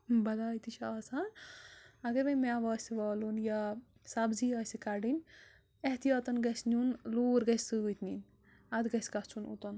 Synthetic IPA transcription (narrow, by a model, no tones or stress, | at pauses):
bɐd̪aːjt̪it͡ʃʰɐːsan | ɐɡɐɾbɐnmeaʋɐːsiʋɔːlunja | sabziɐːsikaɾɖin | eht̪ijɐːt̪ɐnɡɐsnʲunluːɾɡɐsʲsɨt̪ʰnḭn | ɐd̪ɡɐsɡɐt͡ʃʰunṵt̪ɐn